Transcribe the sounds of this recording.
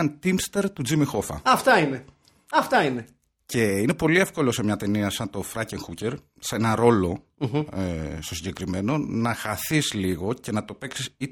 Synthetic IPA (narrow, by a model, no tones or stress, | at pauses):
ɐnt̪imst̪eɾt̪ud͡zimixo̞fɐ̰ɐft̪ɐine | ɐft̪ɐine | ce̞ine̞po̞lie̞fko̞lo̞se̞mɲɐt̪e̞niɐsɐnt̪o̞fɾɐceŋxuce̞ɾ | senɐɾo̞lo̞ | st̪o̞siɲɟekɾime̞no̞nɐxɐθizliɣo̞ce̞nɐt̪o̞pe̞ksisi